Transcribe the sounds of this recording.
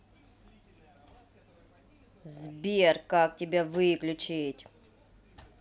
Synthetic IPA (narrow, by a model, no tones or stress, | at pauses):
zbʲerkak̚tʲɪbʲavɨklʲʊt͡ɕɪtʲ